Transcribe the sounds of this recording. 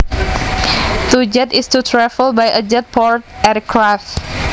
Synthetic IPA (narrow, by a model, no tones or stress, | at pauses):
t̪ud͡ʒɛtɪstutʰɹɛfəlbajʔəd͡ʒɛt̚pʰɔɹt̚ɛtkʰɹaft